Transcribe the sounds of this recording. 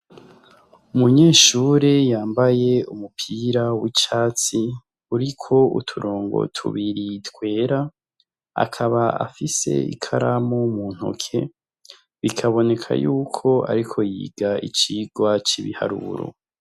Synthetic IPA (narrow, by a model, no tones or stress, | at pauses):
umuɲe̞ːʃuːɾejaːmbaje̞umupʰiɾawit͡ʃaːt͡si | uɾikʰo̞ṵtʰuɾʔoːŋɡo̞̰tʰṵβiɾitkwe̞ːɾa | a̰kʰaβaa̰fise̞̰ḭkʰaɾamomun̥hṵkʰe̞̰ | βikʰaβo̞ne̞kʰa̰juːkʰo̞a̰ɾikʰo̞jḭːɡ̥aḭt͡ʃiːɡwat͡ʃiβiha̰ɾṵɾo̰